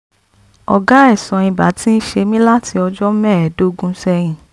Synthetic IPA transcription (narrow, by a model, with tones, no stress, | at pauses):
ɔ˨ɡa˨˦ɛ˦˨sɔ̃˨ĩ˧ba̰˨˦ti˦n̩˦ʃe˧mĩ˦la˦ti˧ɔ˧d͡ʒɔ˦mɛ̃ː˦˨ɛ˨˦do˦ɡũ˦sɛ˧j̃ĩ˨